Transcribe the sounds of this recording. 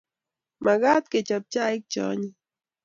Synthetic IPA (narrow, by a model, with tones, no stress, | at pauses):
ma˨ɡa˦t̪̚ke˨t͡ʃa˨p̚t͡ʃa˦ɪ˦k̚t͡ʃɔ̰˦ɲi˦